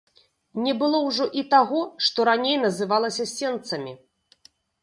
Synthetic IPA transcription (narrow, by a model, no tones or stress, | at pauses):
nʲɛbɨlˠɔwʐɔʔit̪aɣɔʂt̪ɔɾanʲejnɐzɨvalˠɐsʲɐsʲɛnt̪sɐmʲi